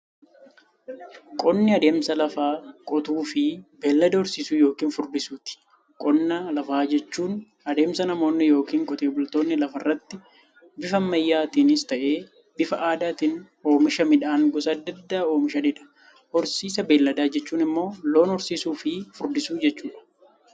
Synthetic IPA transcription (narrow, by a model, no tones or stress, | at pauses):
kʼɔnːɪɐd̪e̞ːmsɐlɐfaːkʼɔt̪uːfɪbeːlːɐd̪ɐhɔɾsiːsuːjo̞ːkiːnfʊɾd̪ɪsuːt̪ɪ̥ | kʼɔnːɐlɐfaːd͡ʒɛt͡ʃːuːn | ɐd̪e̞ːmsɐnɐmo̞ːnːɪjo̞ːkiːŋkʼɔt̪ʼe̞ːbʊlt̪o̞ːnːɪlɐfɐrːɐt̪ːɪ | bɪfɐmːɐjːaːt̪iːnɪst̪ɐʔeː | b̥ɪfɐʔaːd̪aːt̪iːn | o̞ːmɪʃɐmɪᶑaːŋɡɔsɐɐd̪ːɐd̪ːaːoːmɪʃɐᶑɪᶑɐ̥ | hɔɾsiːsɐbe̞ːlːɐd̪aːd͡ʒɛt͡ʃːuːnɪmːo̞ːlo̞ːnɔɾsiːsuːfɪfʊɾd̪ɪsuːd͡ʒɛt͡ʃːuːᶑɐ̥